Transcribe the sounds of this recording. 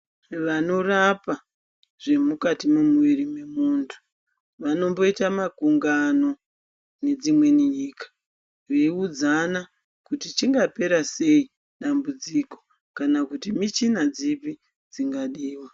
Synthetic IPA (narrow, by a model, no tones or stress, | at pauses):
ʋano̞rapa | ʐ̥e̞mukatimumwirime̞muntʰu̥ | ʋano̞mbo̞itamakuŋɡano̞ | ne̞d͡zimwe̞niɲiːkḁ | ʋeiud͡zana | kutit͡ʃiŋɡape̞ɾase̞i | ɗambud͡ziko̞ | kanakutimit͡ʃinad͡zipi | d͡ziŋɡaɗiːwa